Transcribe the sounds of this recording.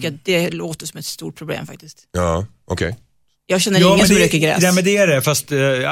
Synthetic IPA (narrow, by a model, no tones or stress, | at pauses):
kːəɾat̪̚d̪ɛloːt̪əʂɔmɛt̪st̪ṵːʈ̚pʰɾʊblḛːmfa̰k̚t̪ɪskt̪ɑː | ʔɔ̰kʰɛ̰j | jɑːɡɕɛnːəɾɑɪːŋːəɛsøkəɡɾɛ̰ːnɛːmɛnd̪ɛæɖɛfast̪